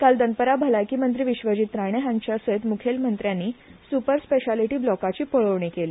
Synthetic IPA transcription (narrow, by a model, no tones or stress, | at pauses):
kald̪ənpəɾabʱəlajkiːmənt̪ɾiːʋiɕʋəd͡ʑiːt̪ɾaɽ̃eɦãɲt͡ɕjaset̪mukʰelmənt̪ɾjanːiːsupəɾspeɕaliʈiːblɔkat͡ɕiːpəɭəʋɳ̃ekeli